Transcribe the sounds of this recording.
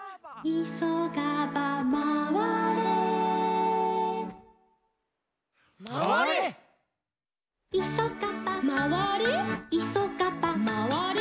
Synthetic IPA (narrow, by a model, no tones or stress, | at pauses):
isoɡabamawa | isokapamawaɾiisokapamawaɾ